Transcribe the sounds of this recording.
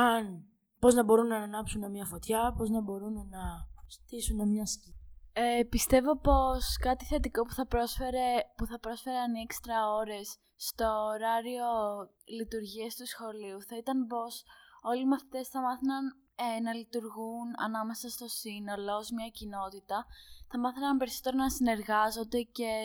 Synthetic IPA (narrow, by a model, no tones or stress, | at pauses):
ɐn | po̞znɐbo̞ɾunːɐnɐnɐpsunemɲɐfo̞t̪çɐpo̞znɐbo̞ɾunnɐst̪isunemɲɐsiepist̪e̞vo̞po̞skɐt̪iθe̞t̪iko̞pu̥θɐpɾosfeɾepuθɐpɾo̞sfe̞ɾeɐniekst̪ɾɐo̞ɾe̞sː | t̪o̞ːɾɐɾio̞ | lit̪uɾʝiɐst̪usxo̞liuθɐit̪ɐnpo̞so̞limɐθi̥t̪e̞sθɐmɐθɐnɐn | nɐlit̪uɾɣunɐ̰nɐme̞sɐst̪o̞sino̞lo̞zmɲɐcino̞t̪it̪ɐθɐmɐθɐnɐmpe̞ɾisot̪eɾonɐsine̞ɾɣɐzo̞nd̪e̞ce̞